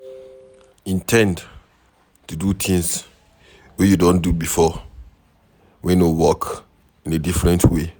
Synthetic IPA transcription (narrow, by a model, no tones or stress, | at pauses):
ĩntʰɛ̃nd | tudut̪ʰĩŋs | wɛjudɔ̃ndubifɔ | wɛ̃nowɔk | ĩnedifɹɛ̃ntwe